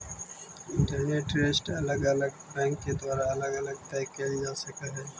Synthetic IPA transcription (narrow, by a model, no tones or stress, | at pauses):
ɖɛneʈɾeːsʈɐləɡələɡbɛ̃ːŋkːed̪waːɾaɐləɡələɡ̚t̪ɛːkːed͡ʒaːsəkəɦɛː